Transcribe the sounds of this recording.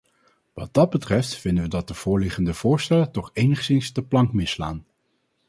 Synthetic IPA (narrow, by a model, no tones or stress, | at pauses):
ʋɑ̰d̚d̥ɑd̚bətrɛftfɪndəʋədɑt̚dəv̥ʊːɹlɪχəndəv̥ʊːɹstɛlətɔχejnəχsɪnsdəplɑŋkmɪsla̰ːn